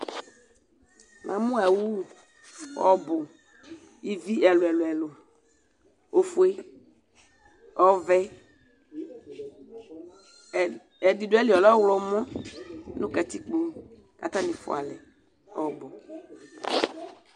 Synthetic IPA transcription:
mʔã̰˨mũ˦ɛ˨wu˦˨ | ɔ̰˨bo˨ | i˨vi˦ʔɛ˨lo˨ɛ˨lo˨ɛ˨lo˨ | o˨fu˨˦e˦ | ɔ˨˦vɛ˦˨ | ɛ˨di˨do˦ɛ˦li˨ɔ˨lɔ˦wlɔ˨mɔ̃˦nũ˦ka˨t̪i˦k͡po˦ | ka̰˨t̪a˦nĩ˨fo̰˨a̰˨lɛ˨ | ɔ˨bɔ˨

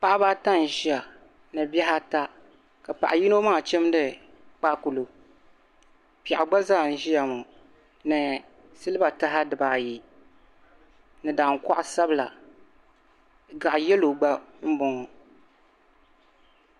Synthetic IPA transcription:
pa˦ʔa˦ba˦ta˦n˨ʒi˦a˨ | nɨ˨bjɛ˦ɦa˦ta˦ | ka˨pa˨ʔa˨ji˦no˦maː˦˨t͡ʃɛ˦m˦dɨ˨ | k͡pa˦ku˨lo˨ | pɛ˨ʔa˨ɡ͡ba˦zaː˦˨n̩˨ʒi˦ja˨mo˨ | nɨ˨ | sɨ˦lɨ˦ba˨ta˦ɦa˦dɨ˨baː˨ji˨ | nɨ˨daː˨ŋ˨ka˦ʔʊ˦sa˦bɨ˦˨la̰˨ | ɡa˨ʔjɛ˦lo˨ɡ͡ba˦m̩˦bɔ˨ŋɔ˨

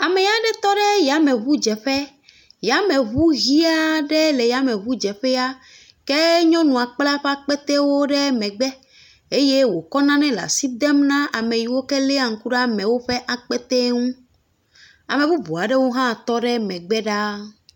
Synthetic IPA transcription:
a˨mɛ˨ja˨ɖɛ˦t̪ɔ˦ɖɛ˦ja˨mɛ̃˨βu˦d͡ʒɛ˨ɸɛ˦ | ja˨˦mɛ̃˨βu˦ɣi˦a˦ɖɛ˦lɛ˨ja˨mɛ̃˨βu˦d͡ʒɛ˨ɸɛ˦a˦ | kɛ˦ɲɔ̃˦nũ˨a˨k͡pla˦ɸɛ˦a˦k͡pɛ˦t̪ɛ˦wo˦ɖɛ˦mɛ̃˨ɡ͡bɛ˦ | e˦je˦wo˨kɔ˦nã˦nɛ̃˦la̰˨si˦d̪ɛ˦mnã˦ʔa˨mẽ˨ji˨wo˦kɛ˦le˦a˨ŋ̩˨ku˦ɖa˦mɛ̃˨wo˦ɸɛ˦ʔa˨k͡pɛ˦t̪ɛ˦ŋũ˦ | a˨mɛ̃˨βu˦bu˨a˨ɖɛ˦wo˦ɦã˦˨t̪ɔ˦ɖɛ˦mɛ̃˨ɡ͡bɛ˦ɖa˦

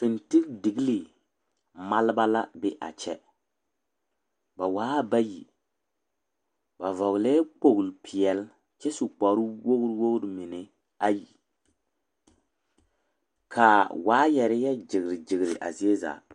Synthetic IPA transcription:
fi˨nti˦kdi˨ɡli˨ | ma˦lba˦la˦bɪ˦ʔa̰˨t͡ʃɛ˦ | ba˨waː˦ba˦ji˨ | ba˨vɔ˨ɣlɛː˦k͡po˨ɣlpʰɪ˨ɛ˨l | t͡ʃɛ˦su˨k͡pɔ˨ɾʊ˦wo˦ɣɾwo˦ɣɾɪ˦mɪ˨nɪ˨ | a˦ji˨ | kʰa˨waː˨˦jɛ˨ɾɪ˦jɛ˦d͡ʒɪ˨ɡɾɪ˨d͡ʒɪ˨ɣɾɪ̰˨ʔa̰˨zi˦e˦za̰ː˨

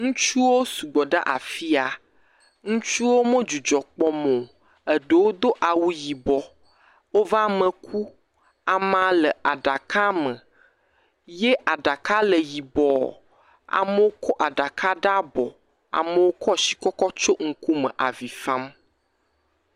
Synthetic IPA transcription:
ŋũ˦t͡ʃu˦wo˦su˨ɡ͡bɔ˨ɖa̰˦ʔa̰˨fi˦a˨ | ŋũ˦t͡ʃu˦wo˦mə̃˦d͡ʒu˨d͡ʒɔ˨k͡pɔ˦mõ˨ | ɛ˨ɖə˨wo˦d̪o˦ʔa˨wu˦ji˨bɔ˨ | wo˦va˦mə̃˨kʰu˦ | a˨mã˨lə˨a˨ɖa˨ka˦mə˨ | je˦ʔa˨ɖa˨ka˦lə˨ji˨bɔ˨ | a̰˨mə˦wo˦kʰɔ˦ʔa˨ɖa˨ka˦ɖa˦bɔ̰˨ | a̰˨mə˨wo˦kʰɔ˦ʃi̥˨kɔ˦kɔ˦t͡ʃo˦ŋ̩˦ku˦mə̰̃˨ʔa˨vi˨fã˦m

